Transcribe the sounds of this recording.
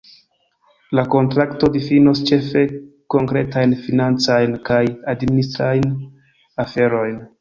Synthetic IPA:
lako̞ntɾakto̞difinost͡ʃe̞fe̞ | ko̞ŋkɾe̞tajnfinant͡sajnkajadministɾajn | afe̞ɾo̞jn

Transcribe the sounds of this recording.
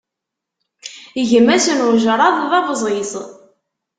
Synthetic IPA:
iʝəmæsənʊɾʒəɾˤɑðˤðɑvəzˤʁisˤ

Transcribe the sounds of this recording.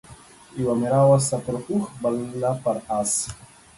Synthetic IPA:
iwamiɾawasapɾxuxbalnapaɾas

